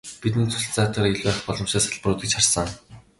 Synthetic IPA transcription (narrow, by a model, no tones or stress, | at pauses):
pit̪̬ɘ̆nt͡sʰʊ̥ɬt͡saːt̪ăːɾiɮʲwæːχpɔɮɞ̆mʃaːsaɮprʊːt̪ĭkt͡ɕχarsə̆ŋ